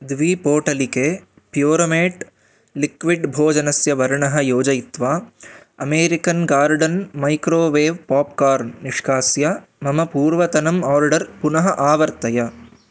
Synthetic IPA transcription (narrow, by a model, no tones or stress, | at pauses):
d̪ʋiːpoːʈɐlikeː | pjoːɾomeːʈ | likʋiɖbʱoːd͡ʒɐnɐsjɐʋɐɾɳɐɦɐjoːd͡ʒɐjit̪ʋaːɐmeːɾikɐnɡaːɾɖɐnmɐjkɾoːʋeːʋpaːp̚kaːɾnniʂkaːsjɐmɐmɐpuːɾʋɐt̪ɐnɐmaːɾɖɐɾpunɐɦɐʔaːʋɐɾt̪ɐjɐ